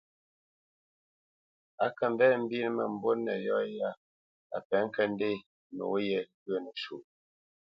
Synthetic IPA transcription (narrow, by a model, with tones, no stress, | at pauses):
a˨kə˨m˨bɛ˦m̩˦bi˦n˦mə˦˨m̩˦bo˦nɛ˨jɔ˦ja˦ | a̰˨pɛ˨˦ŋ̩˦kə˦n˦de˦˨ | no̰˨˦jɛ˦˨ɣɰə˦˨nə˨ʃu˨